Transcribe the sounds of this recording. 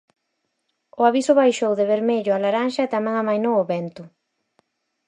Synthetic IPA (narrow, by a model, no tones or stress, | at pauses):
ʊaβisʊβajʃowðeβeɾmeʎʊalaɾaŋʃɐet̪amɛ̃ŋamajnowʊβɛnt̪ʊ